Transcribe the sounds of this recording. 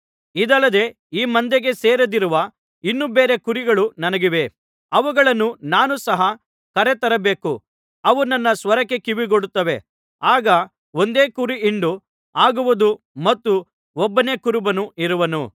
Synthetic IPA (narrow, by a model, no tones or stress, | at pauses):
id̪ɐlːɐd̪e̞ | iːmɐnd̪eɡe̞seːɾɐd̪iɾuʋɐ | inːubeːɾe̞kuɾiɡɐɭunɐnɐɡiʋe̞ | ɐʋuɡɐɭɐnːunaːnusɐɦɐ | kɐɾet̪ɐɾɐbe̞ːku | ɐʋunɐnːɐsʋɐɾɐkːe̞kiʋiɡoɽut̪ːɐʋe̞ | aːɡɐ | o̞nd̪e̞ːkuɾiiɳɖu | aːɡuʋud̪u | mɐt̪ːu | ɔbːɐne̞kuɾubɐnuiɾuʋɐnṵ